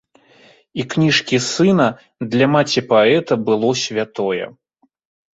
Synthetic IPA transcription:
iknʲiʂkʲisɨnɐ | d̪lʲɐmat͡sʲipaɛt̪ɐbɨlˠɔsʲvʲat̪ɔjɛ̰

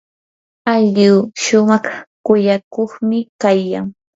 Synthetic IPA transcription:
aʎiwʃʊmɑχkʊjakoχmɪkajkaŋ

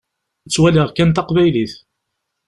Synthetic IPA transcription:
t͡sːwæləʁkænt̪ɑqvæjliθ

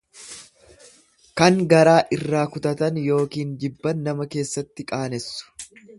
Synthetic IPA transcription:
kɐŋɡɐɾaːʔɪrːaːkʊt̪ɐt̪ɐnjo̞ːkiːnd͡ʒɪbːɐnːɐmɐke̞ːsːɐt̪ːɪkʼaːnɛsːʊ̥

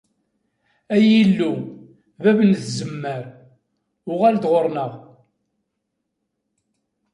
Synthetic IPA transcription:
æjilːu | vævənθzəmːəɾ | ʊʁæld̪ʁoɾˤnəʁ

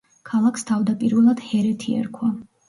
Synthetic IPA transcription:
kʰalˠakʰst̪ʰavd̪apʼiɾvɛlˠad̪̥hɛɾɛt̪ʰiɛ̰ɾkʰwa

